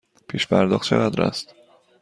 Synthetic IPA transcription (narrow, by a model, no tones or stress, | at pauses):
pʰiːʃpʰæɾd̪ɒːχt̪t͡ʃʰḛɣæd̪ɾæ̰st̪